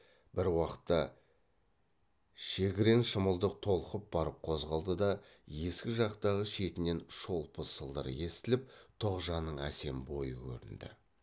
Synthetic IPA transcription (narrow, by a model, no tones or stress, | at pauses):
bɪɾwɑqə̥t̪ːɑ | ʃe̞ɡʲɪɾe̞nʃəməlˠd̪əq̚t̪ʰo̞lˠqəp̚bɑɾəp̚qʰo̞zʁɑlˠd̪əd̪ɑje̞skʲɪʒɑqt̪ɑʁəʃe̞t̪ɪne̞nʃo̞lˠpʰəsəlˠd̪ə̰ɾə̰je̞st̪ɪlɪp̚t̪ʰo̞qʒɑnːəɴæ̰se̞mbo̞jəkʲʰɵ̰ɾɪ̰nd̪ɪ̰